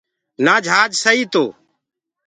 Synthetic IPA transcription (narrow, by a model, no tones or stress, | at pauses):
naːd͡ʒʱaːd͡ʒsəɦiːt̪oː